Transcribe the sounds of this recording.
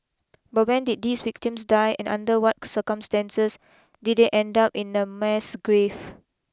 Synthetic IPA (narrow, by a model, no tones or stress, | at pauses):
bat̚wɛ̃ndit̚diswik̚tĩmsdajʔɛ̰̃nã̰ndəwɔt̚səkə̃mstɛ̃nsəs | dit̚deʔɛ̃ndapĩnəmɛsɡɹev